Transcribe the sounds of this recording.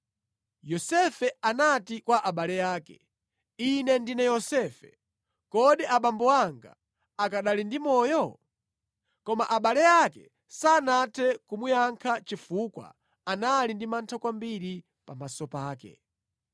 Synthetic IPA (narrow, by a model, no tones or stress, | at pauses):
jɔsɛfɛanatikwaʔaɓalɛjaːkɛ | inɛndinɛjɔsɛːfɛ̰ | kɔɗɛʔaɓambɔaŋɡa̰ | akaɗalindimɔːjɔ | kɔmaʔaɓalɛjakɛ̰ | sanatʰɛkumujaŋkʰat͡ʃifukwa̰ | analindimantʰakwambiɾi | pamasɔpaːkɛ̰